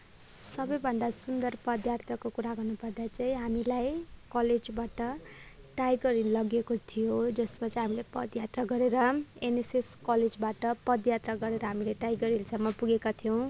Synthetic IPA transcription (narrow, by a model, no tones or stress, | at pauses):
sʌbʌjbʱʌnd̪asund̪ʌrpʌd̪jart̪ʰʌkokuɾaɡʌrnupʌrd̪at͡saĩɦamilajkʌled͡zbaʈʌʈajɡʌɾinlʌɡekot̪ʰijod͡zʌsmat͡sʌĩɦamilepʌd̪jat̪rʌɡʌɾeɾʌeneseskʌled͡zbaʈʌpʌd̪jat̪raɡʌɾeɾʌɦamileʈajɡʌɾinsʌmːʌpuɡekat̪ʰijʌw̃